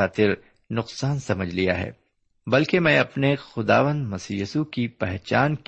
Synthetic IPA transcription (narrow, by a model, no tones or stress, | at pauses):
aːt̪ɪɾ | nʊqsaːnsɐməd͡ʒʱlija̰ɦɛ̰ː | bɐlkemɛ̃ːɐpnexʊd̪a̰ːʋə̃nd̪mɐsiːjuːsukipɛɦt͡ʃaːnk